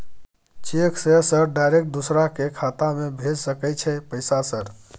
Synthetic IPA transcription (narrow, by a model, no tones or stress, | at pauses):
t͡ʃekʰsesəɾɖajɾekʈ̚d̪usɾakekʰat̪amebʱed͡ʒsəkɛt͡ʃʰɛpəjsasəɾ